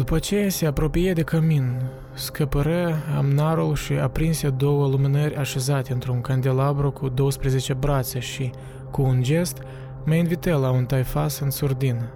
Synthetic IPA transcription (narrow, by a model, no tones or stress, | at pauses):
d̪upət͡ʃe̞jase̞apɾo̞pijed̪e̞kəmin | skəpəɾəamnaɾulʃiapɾinsed̪o̞wəluminərʲaʃe̞zat̪ʲeɨnt̪ɾuŋkand̪elabɾokud̪o̞wəspɾe̞ze̞t͡ʃe̞bɾat̪sʲeʃi | kuːnd͡ʒe̞st̪ | məinvit̪əlaunt̪ajfasɨnsurd̪in